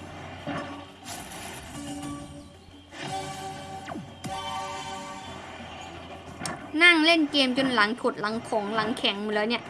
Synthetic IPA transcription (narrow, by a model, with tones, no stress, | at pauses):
na˥˩ŋle˥˩nkeː˧mt͡ɕu˧nla˩˦ŋt̪ʰu˨˩t̪̚la˨˩˦ŋkʰo˨˩˦ŋla˩˦ŋkʰɛ˩˦ŋm˧˩lɤː˨˦ni˥˩ʔ